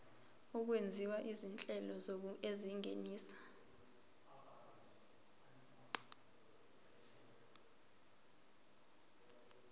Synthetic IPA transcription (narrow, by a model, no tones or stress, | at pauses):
uk̬wend͡zʱiwaʔizint͡ɬʼɛlɔzok̬ueziŋeniːsḁ